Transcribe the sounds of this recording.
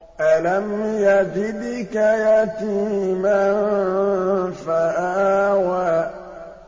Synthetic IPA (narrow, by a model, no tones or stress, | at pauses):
ʔalamjad͡ʒidikajatima | faʔawa